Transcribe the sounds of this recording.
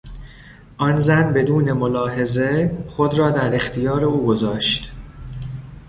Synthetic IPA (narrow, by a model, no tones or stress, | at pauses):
ʔɒnzænbe̞d̪uːne̞mo̞lɒːɦe̞zeχo̞d̪ɾɒːd̪æɾe̞xt̪ʰijɒːɾe̞uːɡo̞zɒːʃt̪